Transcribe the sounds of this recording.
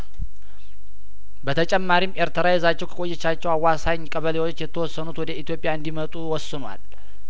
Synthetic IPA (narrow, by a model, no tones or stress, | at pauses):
bət̪ʰət͡ʃʼɛmːaɾimʔeɾt̪ʰəɾajɛzat͡ʃːɛwkʰə̥kʼojːɛt͡ʃːat͡ʃːɛwawːasaɲkʼəβəlewot͡ʃːjɛt̪ʰːəwɔsːənut̪wɔd̪əit̪jo̞pʼɪjaɨnd̪imət̪ʼuwɔsːɨnwa̰l